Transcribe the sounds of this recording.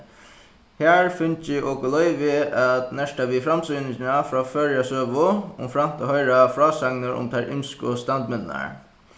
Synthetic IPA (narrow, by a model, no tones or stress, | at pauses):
hæːɹfʏnt͡ʃɪʔɔːkʊlɔʏʋɪat̪nɛʂʈaʋifɾamsɔnɪt͡ɕɪnafɾɔːfœːɹjasøːʋʊʊmfɾam̥t̪ʰahœɪɹafɹɑːsaŋnəɾʔʊ̰mt̪ʰaɹʔɪ̰mskʊst̪ant̪mɪnna̰ɹ